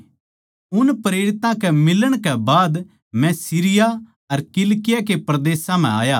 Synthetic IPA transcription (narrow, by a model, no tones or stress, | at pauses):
ʊnpɾeːɾɪt̪ãkɛmɪləɽ̃kɛbaːd̪ | mɛ̃siːɾɪja | ɐɾkɪlkɪjakepɾɐd̪eːsãm̤ɛ̰̃a̰ːjaː